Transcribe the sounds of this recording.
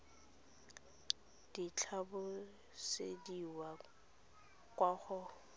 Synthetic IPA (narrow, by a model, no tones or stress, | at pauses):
d̥it͡ɬʰabʊ | sḛdiwa | kwaχʊ